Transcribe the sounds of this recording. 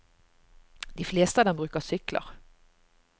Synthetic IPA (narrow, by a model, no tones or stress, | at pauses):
d̪iːfleːst̪əɑːd̪ɛmbʁʉːkəʁsʏklʔə̰ʁ